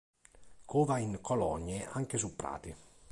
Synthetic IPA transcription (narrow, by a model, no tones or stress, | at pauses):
kʰuːvaiŋkʰɔlɔ̰ɲːeʔa̰ŋkesupːɾa̰ːt̪i